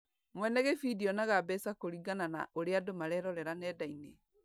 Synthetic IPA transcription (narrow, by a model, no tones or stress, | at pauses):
mwɛnɛɣɛfidiɔnaɣabɛsakoɾiɡanana̰ʔoɾeadomaɾɛɾɔɾɛɾanɛdaine